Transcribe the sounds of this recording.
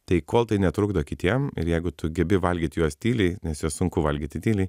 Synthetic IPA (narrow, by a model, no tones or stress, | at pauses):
t̪ɐɪkoːlˠt̪ɐɪnʲɛt̪ɾʊɡd̪oːkʲɪt̪ʲiɛmɪ̰ɾjɛɪɡʊt̪ʊɡʲɛbʲɪʋɐlʲɡʲiːt̪ʲjuɔst̪ʲiːlʲɛɪnʲɛsjuɔssʊŋkʊʋɐlʲɡʲiːt̪ʲɪt̪ʲiːlʲɛɪ